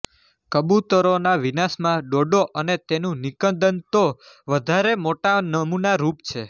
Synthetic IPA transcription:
kəbut̪əɾonaʋinasmãɖoɖoʔənet̪enũnikə̃nd̪ənt̪o | ʋəd̪ʱaɾemoʈanəmunaɾupt͡ʃʰe

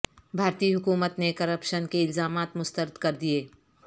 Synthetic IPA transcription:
bʱaːɾt̪iːɦʊkuːmət̪nekɐɾəpʃənkeɪlzaːmaːt̪mʊst̪əɾɪd̪kɐɾd̪ieː

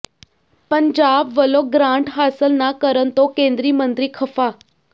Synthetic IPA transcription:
pəɲd͡ʑaːbʋəloɡɾãɳʈɦaːsəlnakəɾənt̪okẽːnd̪ɾiːmə̃nt̪ɾiːkʰəfa

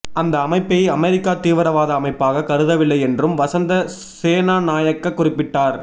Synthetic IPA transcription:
ʔɐnd̪ɐːmɐɪpːɛjɐmɛɾɪkːaːt̪iːʋɐɾɐʋaːðɐːmɐɪpːaːɣɐkɐɾɯðɐʋɪlːɐɪɛndrɯmʋɐsɐnd̪ɐ | seːnaːnaːjɐkːɐkːʊrɪpːɪʈːaːɾ

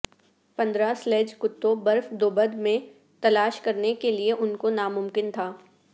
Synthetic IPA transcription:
pɐ̃nd̪ɾaslɛːd͡ʒkʊt̪ːobɐɾfd̪oːbəd̪mẽ | t̪ɐlaːʃkɐɾnekelieʔʊnkonamʊmkɪnt̪ʰaː

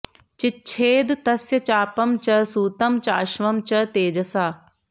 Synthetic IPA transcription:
t͡ʃɪt͡ʃʰeːd̪t̪ɐsjɐt͡ɕaːpɐmt͡ʃɐsuːt̪ɐmt͡ʃaːʃʋɐmt͡ʃɐt̪eːd͡ʒɐsaː

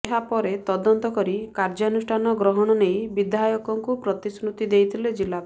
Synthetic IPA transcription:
ɦapɔɾet̪ɔd̪ɔnt̪ɔkɔɾikaɾd͡ʒɔnusʈʰanɔɡɾɔɦɔɽ̃ɔnejbid̪ajɔkɔŋkupɾɔt̪isɾut̪id̪ejt̪ʰiled͡ʒilːa

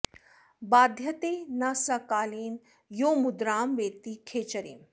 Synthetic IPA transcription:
baːd̪ʱjɐt̪eːnɐsɐkaːleːn | joːmud̪ɾaːmʋeːt̪ikʰeːt͡ʃɐɾḛːm

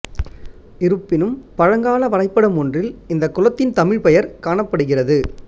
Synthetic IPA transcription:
ɪɾɯpːɪnɯmpɐɻɐŋɡaːlɐʋɐɾɐɪpːɐɽɐmɔndrɪlɪnd̪ɐkːʊlɐt̪ːɪnt̪ɐmɪɻpɛjɐɾkaːɳɐpːɐɽɯɣɪrɐðɯ

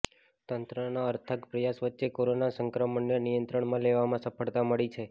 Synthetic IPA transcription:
t̪ənt̪ɾənaəɾt̪ʰəkpɾəjasʋətːʃekoɾonasəŋkɾəməɳːenijənt̪ɾəɳmãleʋamãsəpʰəɭt̪aməɭit͡ʃʰe

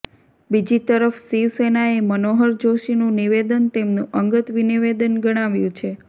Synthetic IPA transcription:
bid͡ʒit̪əɾəfsiʋsenaemənoɦəɾd͡ʒoʃinũniʋed̪ənt̪emnũʔəŋɡət̪ʋiniʋed̪ənɡəɽ̃aʋjũt͡ʃʰe

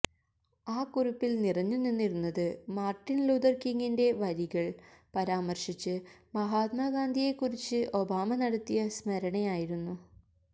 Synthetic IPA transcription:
aːkuɾupːilnirɐɲːunːinːiɾunːɐðɨmaːrʈːinlud̪ɐrkiŋɡinde̞ʋɐɾiɣɐɭpɐɾaːmɐrʂit͡ɕːɨmɐɦaːt̪̚maːɡaːnd̪ʱije̞kːuɾit͡ɕːɨʔo̞baːmɐnɐɽɐt̪ːijɐsmɐɾɐɳɐjaːjiɾunːu

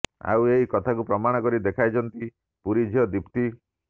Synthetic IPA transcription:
a̰weɦikɔt̪ʰakupɾɔmaɽ̃ɔkɔɾid̪ekʰajt͡ʃʰɔnt̪i | puɾid͡ʒʱiɔd̪ipt̪i

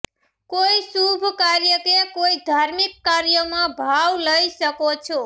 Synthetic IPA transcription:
koisubʱkaɾjəkekoid̪ʱaɾmikːaɾjəmãbʱawləjsəkot͡ʃʰo

